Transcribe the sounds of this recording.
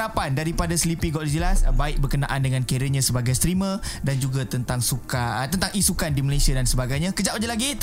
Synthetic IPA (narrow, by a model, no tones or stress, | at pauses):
ɾapandaɾipadaslipiɡɔʔlid͡ʒəlasbaɪk̚bərkəna̰ʔandəŋãnkeɾəɲãsəbaɡajst̪ɾimədand͡ʒuɡat̪ənt̪aŋsukat̪ənt̪aŋisukandiməlasiadansəbaɡajɲãkəd͡ʒaʔwad͡ʒalaɡit̪